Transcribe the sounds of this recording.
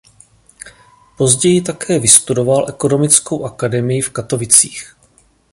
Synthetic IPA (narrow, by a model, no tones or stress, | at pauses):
po̞zɟɛjɪt̪akʰɛːvɪst̪udo̞valʔɛko̞no̞mɪt͡sko̞wʔakadɛmɪjɪfkat̪o̞vɪt͡sḭːx